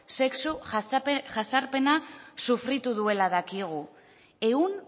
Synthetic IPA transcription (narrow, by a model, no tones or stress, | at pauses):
se̞ksu | ʝasaɾpe̞nasufɾit̪uðue̞laðakiɣ̞u | e̞un